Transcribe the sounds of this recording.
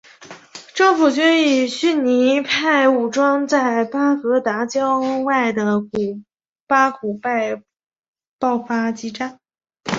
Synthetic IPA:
ʈ͡ʂɤ˥˩ŋfu˨˩t͡ɕy˥ni˨˩ɕy˥˩nni˧˥pʰa˥˩ɪu˨˩ʈ͡ʂwɑ˥ŋt͡sa˥˩ɪpa˥fɤ˧˥t̪a˧˥t͡ɕjɑ˥ʊwa˥˩ɪd̪ə˩ku˨˩ | pa˥ku˨˩pa˥˧ɪ | pɑ˥˩ʊfa˥t͡ɕi˧˥ʈ͡ʂa˥n

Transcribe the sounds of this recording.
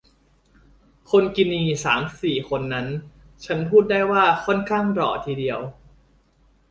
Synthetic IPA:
kʰo˧nki˧niː˧saː˩˦msiː˨˩kʰo˧nːa˦˥n | t͡ɕʰa˦˥npʰuː˥˩t̪̚daː˥˩jwaː˥˩kʰɔ˥˩nkʰaː˥˩ŋɾɔː˨˩t̪ʰiː˧di˧əw

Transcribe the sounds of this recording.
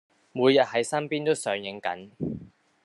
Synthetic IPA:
muː˨˧jːɐ˨t̚hɐ˨˥jsɐ˥mpiː˥nt̪o˥wsœː˨˥ŋjɪ˨˥ŋkɐ̰˨˥n

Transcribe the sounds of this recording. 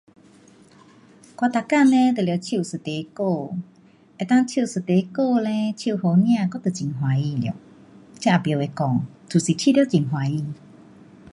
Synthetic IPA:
kwa˧t̪a˨ka˥˧˨nɛ̃˦t̪ə˨ljt͡ɕʰju˧˨sɨ˨˩t̪e˨˦ko˥˧˨ | ʔe˨˩t̪ã˥˧ŋt͡ɕʰju˧˨sɨ˨˩t̪e˨˧˦ko˥˧˨lɛ̃˧˦t͡ɕʰju˧˨ho˧˦nj̃ã˥˧˨kɔ˧˦t̪ə˨˩t͡ɕi˨˩˨ŋɦw̃a˨˧i˧˨ljo̰˧˦ | t͡ɕja˧˦ʔa˨˩bjo˨˧˨we˧˩kɔ˨˩˦ŋt̪ʰu˨˩si˨˩t͡ɕʰi˧˥˧jt͡ɕi˨˩ŋɦwa˨˦i˧˨

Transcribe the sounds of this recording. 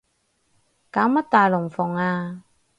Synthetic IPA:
kaː˨˦ma˦˥t̪ːaː˨˩jlʊ˨˩ŋfɔ˨˩ŋaː˧

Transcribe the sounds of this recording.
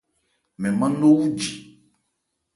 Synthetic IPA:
mɛ̃˨mã˦no˦wu˦d͡ʒi˨

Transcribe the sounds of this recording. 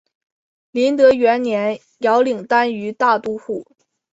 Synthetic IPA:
li˧˥nt̪ɤ˧˥ɥɛ˧˥nnjɛ˧˥n | jɑ˧˥ʊli˨˩ŋt̪a˥ny˧˥t̪a˥˧t̪u˥xu˥˩

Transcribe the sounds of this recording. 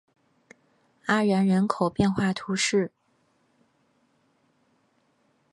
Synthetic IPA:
a˥ɻə˧˥nɻə˧˥nkʰo˨˩ʊpjɛ˥˧nxwa˥˩t̪ʰu˧˥ʂɻ̩˥˩

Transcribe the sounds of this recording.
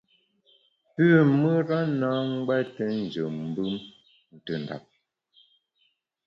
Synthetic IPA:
pʉ˦˨mə˦ɾa˦na˦ŋ̩˦ɡ͡ba˦tə˦n̩˨d͡ʒə˨m̩˦bɯ˦m | n̩˨tə˨n˨da̰˨p̚

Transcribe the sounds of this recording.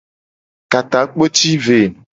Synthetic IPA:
ka˨t̪a˨k͡po˦t͡ʃi˦ve˨

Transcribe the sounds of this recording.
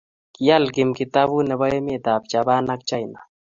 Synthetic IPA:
kija˦lkɪ˨mki˨t̪a˦βu˦nɛ˨βa˦ɛ˦me˦t̪a˨p̚t͡ʃa˨ba˦na˦kt͡ʃa˦jna˨

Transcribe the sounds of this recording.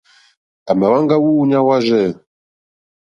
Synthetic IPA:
a˨ma˨wa˦ŋɡa˦wu˦ɲa˦wa˦ʒɛ˦˨

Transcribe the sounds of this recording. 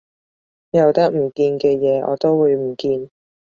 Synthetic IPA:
jɐ˨˧wt̪ɐ˥k̚m̩˨˩kiː˧nkɛː˧jɛː˨˧ʔɔ̰ː˨˧t̪o˥wːuː˨˧jm̩˨˩kiː˧n

